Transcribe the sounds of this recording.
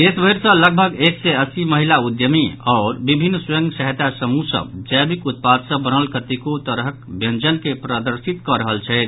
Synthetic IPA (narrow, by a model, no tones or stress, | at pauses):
esbʱəjɾsə̃ləɡ̚bʱəɡeksɛəsiməɦilaud̪jəmiɔʊɾbibʱinːsujə̃ŋɡsəɦt̪asəmusə̰bd͡ʒəjbikut̪̚pad̪səbənəlkət̪ikot̪əɾɦəkbjənd͡ʒənkepɾəd̪əɾsit̪kɔɾəɦəlt͡ʃʰɛt̪